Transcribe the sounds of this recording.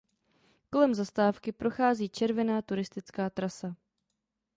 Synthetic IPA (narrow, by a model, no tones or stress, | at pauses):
ko̞lɛmzast̪aːfkɪpɾo̞xaːziːt͡ʃɛɾvɛnaːt̪uɾɪst̪ɪt͡skaːt̪ɾasa